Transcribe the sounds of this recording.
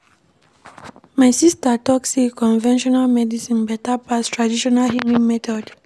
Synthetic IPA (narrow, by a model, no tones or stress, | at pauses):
maɪsistatɔksekɔ̃nvɛ̃nʃɔnalmɛdisĩnbɛtapastɹadiʃɔnalɦimĩmɛtɔd